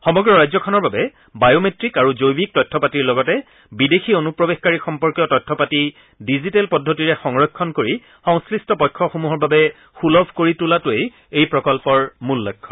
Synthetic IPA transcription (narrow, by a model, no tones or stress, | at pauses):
xɔmɔɡɹɔɹajzɔkʰɔnɔɹbabɛ | bajometɹikaɹuzojbik̚tɔjtʰːɔpatiɹlɔɡɔtɛ | bidexionupɹɔbexkaɹixɔmpɔɹkjɔtɔjtʰːɔpati | dizitelpɔdʱːotiɹɛxɔŋɹɔjkʰːɔnkoɹi | xɔ̃ŋsklistɔpɔjkʰːɔxumuɦɔɹbabɛ | xulɔbʱkoɹitulatuej | ejpɹɔkɔlpɔɹmulːɔjkʰːɔ